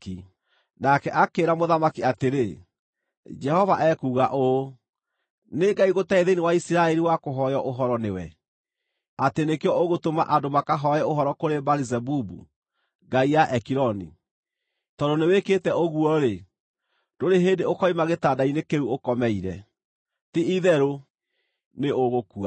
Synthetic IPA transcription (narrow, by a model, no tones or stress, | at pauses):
i | nakɛʔakeːɾamoðamakiateɾe | d͡ʒɛhɔvaʔɛkuːɣaʔo | neɡaiɣotɛeðenewaisiɾaɛɾiwakoɦɔjɔʔoɦɔɾɔnewɛ | atenekeɔoɣotoma̰ʔadomakaɦɔɛoɦɔɾɔkoɾebaɾizɛbubṵ | ɡaijaʔɛkiɾɔnḭ | tɔdoneweketɛoɣuɔɾe | d̥oɾeɦeːndeokɔimaɣetaːdainekeɾuokɔmɛiɾɛ | tiiðɛɾo | neoɣokua